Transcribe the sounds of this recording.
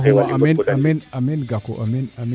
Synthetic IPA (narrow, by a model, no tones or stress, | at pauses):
ɦaminaminaminɡako̰ʔaminami